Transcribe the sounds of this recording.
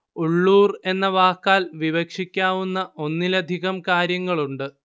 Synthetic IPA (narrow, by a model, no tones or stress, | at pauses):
uɭːuːre̞nːɐʋaːkːaːlʋiʋɐkʂikʲːaːʋunːɐʔo̞nːilɐd̪ʱiɣɐmkaːɾjɐŋːɐɭuɳɖɨ